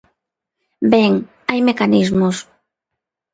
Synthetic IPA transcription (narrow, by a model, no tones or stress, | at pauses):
bɛŋ | ajmekanizmos